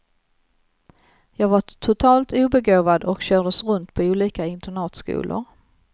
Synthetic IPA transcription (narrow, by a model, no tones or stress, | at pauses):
jɑːɡvaʈ̪ʰʊt̪ʰɑːlt̪ʰuːbɛɡoːvad̪ɔkɕœːɖəsɾɵnt̪pʰɔuːliːkaɪnt̪əɳɑːt̪skṵːlʔʊ̰ɾ